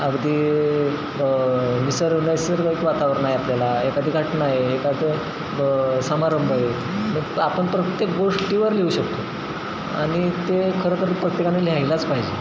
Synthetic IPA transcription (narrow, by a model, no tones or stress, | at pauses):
əɡd̪iː | ʋisəɾunajsəɾkaikʋat̪aʋəɾnaɦeapljalaɦekad̪ʱiːɡʱaʈnaɦeɦekad̪e | səmaɾəmbəɦe | məɡapəɳpɾət̪jekɡoʂʈiʋəɾleuɕəkt̪o | a̰ɽ̃it̪ekʰəɾəkʰəɾəpɾəkt̪ikaneljajlat͡spaɦid͡ʑe